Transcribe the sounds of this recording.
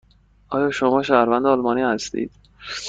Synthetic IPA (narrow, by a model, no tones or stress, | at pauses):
ʔɒːjɒːʃomɒːʃæːhɾvænd̪ɛɒːlmɒːniːhæst̪ḭːd̪̥